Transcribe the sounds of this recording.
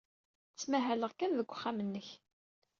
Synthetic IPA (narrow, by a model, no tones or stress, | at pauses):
t͡sːmæɦæləʁkænðəɡʷːχːamənːəç